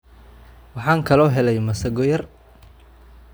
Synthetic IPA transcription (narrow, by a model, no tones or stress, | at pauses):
wɑħɑːŋkʰɐlɔːɦɛlɛjmɐsɐɡɔjɐr